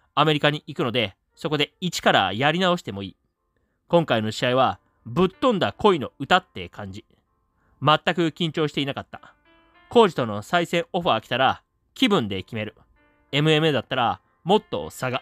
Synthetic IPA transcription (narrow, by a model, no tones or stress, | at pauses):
ame̞ɾʲikaɲ̟iikɯ̟no̞d̪e̞ | so̞ko̞d̪e̞it͡ɕi̥kaɾa̰jaɾʲinao̞ɕi̥t̪e̞mo̞ḭː | kõ̞ŋkaino̞ɕiaiβa | bɯ̟t̪ːõnd̪ako̞ino̞ɯ̟t̪at̪ːe̞kʰãɲ̟d͡ʑi | mat̪ːakɯ̟kʲĩɲ̟t͡ɕo̞ːɕi̥t̪e̞inakat̪ːḁ | ko̞ːʑi̥t̪o̞no̞saisẽ̞ɰ̃o̞ɸɯ̟akʲi̥t̪aɾa | kʲibɯ̟̃nd̪e̞kʲime̞ɾɯ̟ | e̞mɯ̟e̞mɯd̪at̪ːaɾa | mo̞t̪ːo̞̰saɡa